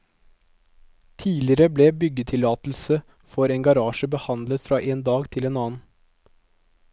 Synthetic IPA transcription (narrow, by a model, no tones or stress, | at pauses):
t̪ʰiːlɪəɾəblebʏɡət̪ʰɪlɑːt̪l̩sə | fɔɾeːŋɡɑɾɑːʃəbəhɑnd̪lət̪fɾɑːʔeːnd̪ɑːɡt̪ʰɪleːnɑːn̩